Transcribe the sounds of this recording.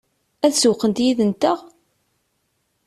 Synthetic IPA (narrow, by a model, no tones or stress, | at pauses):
æθsʊqːənt̪jiðənt̪əʁ